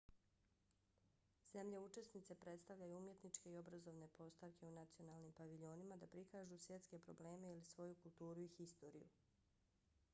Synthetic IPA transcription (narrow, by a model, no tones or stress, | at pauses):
z̥e̞mʎe̞ut͡ʃe̞snit̪se̞pɾe̞t̪st̪aʋʎajuumje̞t̪nit͡ʃke̞io̞bɾazo̞ʋne̞po̞st̪aʋke̞unat̪sio̞naːlˠnimpaʋiʎo̞nimad̪apɾikaːʒusʋje̞t̪ske̞pɾo̞ble̞ːme̞ilisʋo̞jukulˠt̪uːɾuixist̪o̞ːɾḭjṵ